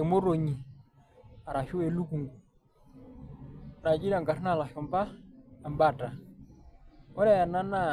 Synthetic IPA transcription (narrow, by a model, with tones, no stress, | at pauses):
e˨mo˦ɾo˨ɲi˨ | a˨ɾa˨ʃʊ˦e˨lu˦ku˨ŋɡu˨ | na˨d͡ʒi˦ɾa˨ŋka˨ɾna˦˨la˨ʃɔ˨mba˦a˨mba˦˨ta˨ | ɔ˦ɾa˦ja˨na˦na˦˨